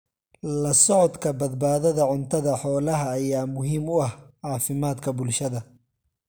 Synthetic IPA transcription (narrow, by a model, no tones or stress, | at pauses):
lɐsɔʕɔd̪kʰɐbɐd̪baːðɐðɐʕʊnt̪ʰɐðɐħɔːlɐɦɐːjaːmʊɦiːmʊɐhʕɑːfɪmaːd̪kʰɐbʊlʃɐðɐ